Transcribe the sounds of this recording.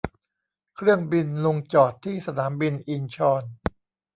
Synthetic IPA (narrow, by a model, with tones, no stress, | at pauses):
kʰɾɯ˥˩əŋbi˧nlo˧ŋt͡ɕɔː˨˩t̪ʰːiː˥˩sa˧tnʰaː˩˦mbi˧nʔi˧nt͡ɕʰɔː˧n